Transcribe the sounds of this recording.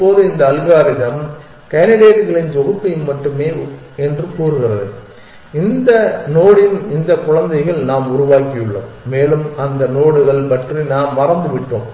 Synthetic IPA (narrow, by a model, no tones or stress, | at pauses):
pːoːðɯɪnd̪ɐːlɣaːɾɪðɐm | kɐnɪɽeːʈɣɐɭɪnd͡ʒɔɣɯp̪ːɐjnmːɐʈːɯmeː | ɛndrɯkuːɾɯɣɪrɐðɐ̰ | ɪnd̪ɐnoːɽɪnɪnd̪ɐkʊɻɐnd̪ɐɪɣɐɭnaːmʊɾʊʋaːkɪjɯɭːɐ̰mːeːlɯmɐnd̪ɐnoːɽɯɣɐɭpɐʈrinaːmːɐrɐnd̪ɯʋɪʈːo̰ːm